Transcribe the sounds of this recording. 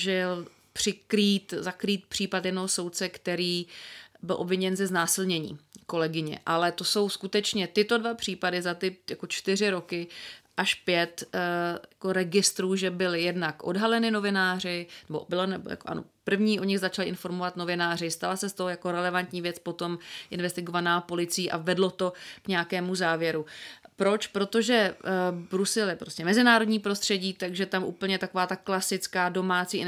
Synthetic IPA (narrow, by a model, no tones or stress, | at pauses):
ʒɪl | pr̥ɪkɾiːt̪zakɾiːt̪̚pr̥iːpat̪jɛdnoɦoso̞wt̪̚t͡sɛkt̪ɛɾiːbɪlʔo̞bvɪɲɛnzɛznaːsɪlɲɛɲḭːko̞lɛɡɪɲɛ̰ʔalɛt̪o̞so̞wskut̪ɛt͡ʃɲɛt̪ɪt̪o̞dvapr̥iːpadɪzat̪ɪjako̞t͡ʃt̪ɪr̝ɪɾo̞kɪʔaʃpjɛt̪jako̞ɾɛɡɪst̪ɾuːʒɛbɪlɪjɛdnakʔo̞dɦalɛnɪno̞vɪnaːr̝ɪnɛbobɪlonɛbo̰ja̰koʔa̰no̰pr̩vɲiːʔo̞ɲɪɣzat͡ʃalɪʔɪnfo̞ɾmovat̪no̞vɪnaːr̝ɪst̪alasɛst̪oɦojako̞ɾɛlɛvant̪ɲiːvjɛt͡spo̞t̪o̞mʔɪnvɛst̪ɪɡo̞vanaːpo̞lɪt͡sɪiːʔavɛdlo̞t̪o̞kɲɛakɛːmuzaːvjɛɾupɾo̞t͡ʃpɾo̞t̪o̞ʒɛbɾusɛlɪpɾo̞scɛmɛzɪnaːɾo̞dɲiːpɾo̞st̪r̝̥ɛɟiːt̪aɡʒɛt̪amʔṵːpl̩ɲɛt̪ako̞vaːt̪aklasɪt͡skaːdo̞maːt͡siː